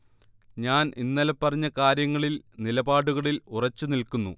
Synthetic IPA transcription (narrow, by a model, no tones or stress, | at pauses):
ɲaːnʔinːɐlɐpːɐrɐɲːɐkaːɾjɐŋːɐɭilnilɐbaːɽuɣɐɭilurɐt͡ɕːunilkunːṵ